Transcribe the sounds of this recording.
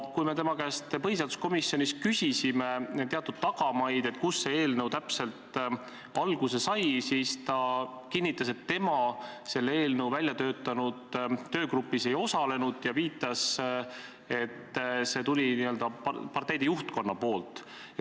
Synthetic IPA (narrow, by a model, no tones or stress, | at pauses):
kujme̞t̪e̞mɑkæst̪pɤɦis̬eɑːd̪u̥sko̞misːjo̞nist̪kysʲisime̞t̪e̞ɑt̪ːˑud̪̥t̪ɑɡ̥ɑmɑjd̪̥e̞t̪̚ːkusːe̞eːlnəwt̪æpse̞lt̪ | ɑlɡ̥use̞sɑjsiːst̪ɑkinʲːit̪ːˑɑse̞t̪ːe̞mɑse̞lːeeːlnəwvælʲjɑt̪øːt̪ːˑɑnud̪̥t̪ːø̞ːɡɾupːise̞jo̞sɑle̞nud̪̥jɑviːt̪ːˑɑs | e̞t̪ːse̞t̪ulʲiniø̞ld̪̥ɑpɑrt̪ejd̪ejuht̪̚ko̞nːɑpo̞ːlt̪ˑ